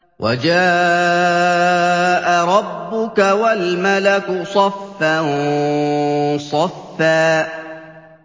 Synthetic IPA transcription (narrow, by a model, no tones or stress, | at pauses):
wʔa̰d͡ʒaː | ʔaɾˤɑbːʊkawalmalaksˤɑfːan | sˤɑfːaː